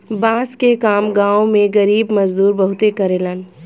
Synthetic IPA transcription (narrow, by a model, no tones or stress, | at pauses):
bãːskekaːmɡãːõmẽɡɐɾiːbmɐd͡ʒd̪uːɾbɐɦʊt̪ekɐɾelən